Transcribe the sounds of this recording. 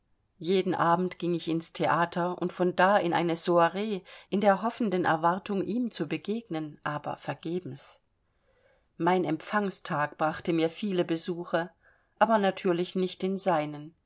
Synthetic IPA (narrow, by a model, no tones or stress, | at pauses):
jeːdn̩ʔaːbm̩tɡ̥ɪŋɪçɪnstʰeʔaːtʰɐʊ̰ntfɔndaːɪnʔa̰ɪnəzoaʁeːʔɪndeːɐɦɔfn̩dənɛ̰ɐvaɐtʰʊŋʔiːmt͡subəɡeːɡ̚nənʔaːbɐ̰fɛɐɡ̥eːbm̩s | maɪnɛmfaŋstʰaːkb̥ʁaχtəmiːɐfiːləbəzuːxɐ | ʔaːbɐnatʰyːɐlɪçnɪçtɪnzaɪnən